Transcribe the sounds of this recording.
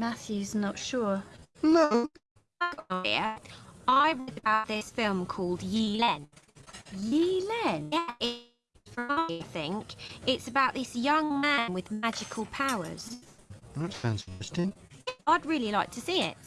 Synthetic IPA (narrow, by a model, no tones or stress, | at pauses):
maθjʉznətʃʊːnoʊ | aɪɡ̥ɒʔaɪɪ̰əaɪɹədəbaʊʔðɪsfɪlˠmkʰɔːlˠdjilɛ̃n | jilɛ̃nɛɪ̥ | fəaɪθɪ̃ŋkɪtsəbaʊʔðɪsjʌ̃ŋmæ̃nwɪðmad͡ʒɪkʰəlˠpʰaʊə̰z̥ðətsãʊ̃nzɪ̃n̥ɨstɪ̃ŋɛaɪd̚ɹɪəlilaɪk̚tʰəsiːɪ̰t̚